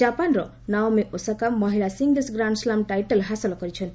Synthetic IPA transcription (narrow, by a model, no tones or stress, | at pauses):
apanrʌ | nawmeʔosakamːʌɦilasiŋɡesɡraɳɖslamʈajʈʌlɦasʌlɔkʌɾit͡sʰʌn